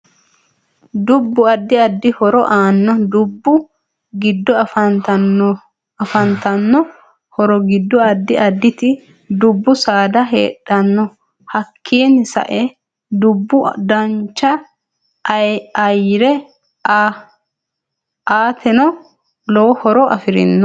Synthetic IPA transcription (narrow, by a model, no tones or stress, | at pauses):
d̪ʊbːʊɐd̪ːɪɐd̪ːɪhɔɾɔʔaːnːɔd̪ʊbːʊ | ɡɪd̪ːɔɐfɐt̪ | ɐfɐnt̪ɐnːɔ | hɔɾɔɡɪd̪ːɔɐd̪ːɪʔɐd̪ːɪt̪ɪ | d̪ʊbːʊsaːd̪ɐɦeːᶑːɐnːɔ | hɐkʰːiːnsɐ̰ʔɛ | d̪ʊbːʊd̪ɐnt͡ʃːɐ | ɐjɾɛ | aːt̪ɛnɔ | lɔwhɔɾɔʔɐ̰fɪɾɪ̰nːɔ